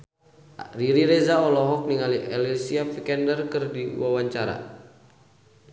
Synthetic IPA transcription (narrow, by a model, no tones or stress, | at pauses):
riɾiɾɛzaɔlɔɦɔk̚niŋaliʔɛlɛsiafikɛndərkɨrdiwawaɲt͡ʃaɾa̰